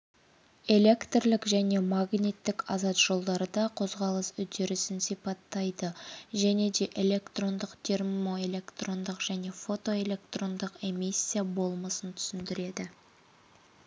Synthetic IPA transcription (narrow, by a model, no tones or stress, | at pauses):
e̞lʲe̞kt̪rlɪkʒæne̞maɡnʲit̪ːɪkɑzɑt̪ʒ̥o̞lˠd̪ɑɾəd̪ɑqʰo̞zʁɑlˠəsʏd̪e̞ɾɪsɪnsijpɑt̪ːɑjd̪əʒæne̞d̪e̞ʔe̞lʲe̞kt̪ro̞nd̪əqt̪ʰe̞rmo̞e̞lʲe̞kt̪ro̞nd̪əqʒ̥æne̞fo̞t̪o̞e̞lʲe̞k̚t̪ro̞nd̪əqe̞misʲːijabo̞lˠməsənt̪ʰʏ̥sɪnd̪ɪɾe̞d̪ɪ